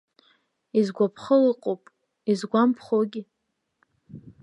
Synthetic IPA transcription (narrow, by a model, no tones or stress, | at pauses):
izɡʷapʰχəliqʼopʼ | izɡʷampʰχoɡʲi